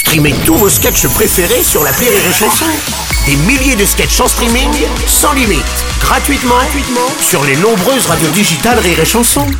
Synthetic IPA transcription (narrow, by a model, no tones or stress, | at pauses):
st̪χimet̪uvoskʲɛt͡ʃəpχefeʁesyʁlapleʁiʁeʃɑ̃sɔ̃ | d̪emiljed̪əskʲɛʃɑ̃st̪χimiŋ | sɑ̃limit̪ | ɡʁat̪ɥit̪mɑ̃t̪ɥit̪mɑ̃syʁlenɔ̃bʁøzʁad̪jod̪iʒit̪alʁiʁeʃɑ̃sɔ̃